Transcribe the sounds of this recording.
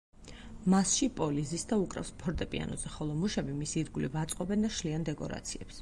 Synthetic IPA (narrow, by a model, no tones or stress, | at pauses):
masʃipʼɔlizisd̪aukʼɾɛ̰fspʰɔɾt̪ʼɛpʼḭa̰nɔ̰zɛχɔlˠɔmuʃɛbimisiːɾɡulivat̪sʼqʼɔbɛnd̪aʃliand̪ɛkʼɔ̰ɾa̰t̪sʰiɛps